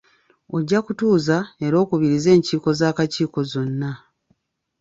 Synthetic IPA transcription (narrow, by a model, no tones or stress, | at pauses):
o̞ɟːakutuːzae̞ɾo̞ːkuβiɾize̞ːɲciːko̞zaːkaciːko̞zo̞nːa